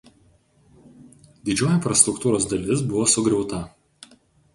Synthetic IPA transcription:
d̪ʲɪd͡ʒʲoːjɪnʲfɾɐst̪ɾʊkt̪uːɾoːs̬d̪ɐlʲɪsbʊʋoːsʊɡɾʲɛʊt̪ɐ

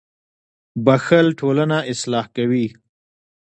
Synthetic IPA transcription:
baxəlʈʰolanaʔɪslɑhkawi

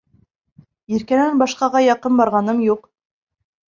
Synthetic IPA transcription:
iɾkænænbɑʃqɑʁɑjɑqɤnbɑɾʁɑnɤmjuq

